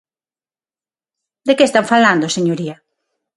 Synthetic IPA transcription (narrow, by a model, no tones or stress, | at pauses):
d̪ekeːst̪aɱfaland̪oseɲoɾiɐ